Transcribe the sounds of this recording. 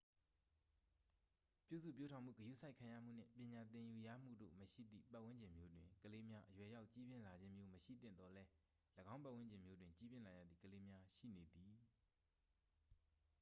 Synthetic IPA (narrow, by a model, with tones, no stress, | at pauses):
pjṵ˦˨sṵ˦˨pjo˦tʰã˨ʊ̃m̥ṵ˦˨ɡəjṵ˦˨sʰa˦ɪkʰã˨ja̰˦˨m̥u˦˨n̥ɪ̰̃˦˨pjɪ̃˨ɲa˨t̪ɪ̃˨ju˨jä̰˦˨m̥ṵ˦˨do̰˦˨məʃḭ˦˨d̪ðḭ˦˨pa˦ʔwɪ̃˦ɲd͡ʑɪ̃˨mjo˦dwɪ̃˨kəle˦mja˦ʔəjwɛ˨ja˦ʊʔt͡ɕi˦bjɪ̃˨la˨d͡ʑɪ̃˦mjo˦məʃḭ˦˨t̪ɪ̰̃˦˨nd̪ɔ˨lɛ˦ | lə˨ɡã˦ʊ̃mpa˦˨ʔw̃ɪ̃˦ɲd͡ʑɪ̃˨mjo˦dwɪ̃˨ɲt͡ɕi˦bjɪ̃˦˨la˨ja̰˦˨d̪ðḭ˦˨kəle˦mja˦ʃḭ˦˨ne˨d̪i˨